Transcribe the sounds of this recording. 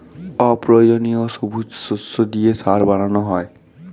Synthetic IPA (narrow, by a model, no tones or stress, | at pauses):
ɔpɹod͡ʒonijosobʱud͡ʒsusod̪ijesaɾbananɔɦɔj